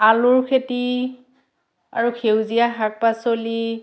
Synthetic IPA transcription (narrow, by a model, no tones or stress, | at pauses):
alʊɹkʰeti | a̰ɹuxʰewzijaɦak̚pasoli